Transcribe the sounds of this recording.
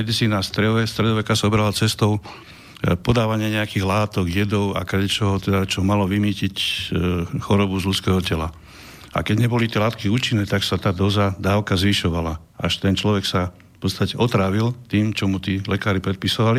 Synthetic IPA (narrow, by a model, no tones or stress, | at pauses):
ɛd̪it͡siːnast̪ɾɛʋɛst̪ɾɛd̪ɔʋɛkasaɔbɛɾalat͡sɛst̪ɔʊ | pɔd̪aːʋaɲɪaɲɛakiɣlaːt̪ɔɡjɛd̪ɔʊa̰kadɛt͡ʃɛɦɔt̪ɛd̪at͡ʃɔmalɔʋimiːcic | xɔɾɔbuzlut͡skɛːɦɔcɛla | a̰kɛɟɲɛbɔlit̪ɪjɛlaːt̪kiuːt͡ʃinːɛːt̪aksat̪aːd̪ɔzad̪aːʊkazʋiʃɔʋala | aʃt̪ɛnt͡ʃlɔʋɛksa | fpɔt̪st̪acɛʔɔt̪ɾaːʋilt̪iːmt͡ʃɔmut̪iːlɛkaːɾipɾɛt̪̚pisɔʋali